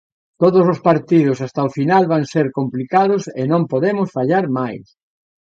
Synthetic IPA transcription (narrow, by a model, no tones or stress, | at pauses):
t̪oðʊsospaɾt̪iðʊs̬ast̪aofinalβaŋseɾkomplikaðʊsɪnõmpoðemʊsfaʎaɾmajs